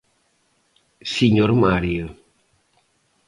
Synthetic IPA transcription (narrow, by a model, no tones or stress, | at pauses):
siɲoɾmaɾio